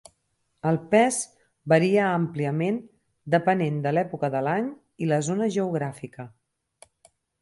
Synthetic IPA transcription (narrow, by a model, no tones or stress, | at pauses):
əlˠpɛz | bəɾiəəmpliəmen | d̪əpənend̪əlɛpukəðəlaɲ | iləzonəʒəuɣɾafikə